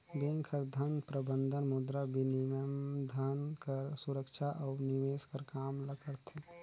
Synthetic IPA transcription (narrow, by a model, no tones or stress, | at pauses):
bẽːŋkʰəɾd̪ʱənpɾəbə̃nd̪ʱənmʊd̪ɾabʱinimd̪ʱankəɾsʊɾəkʃʰaʔɔːnimeːskəɾkaːmləkəɾt̪ʰɛ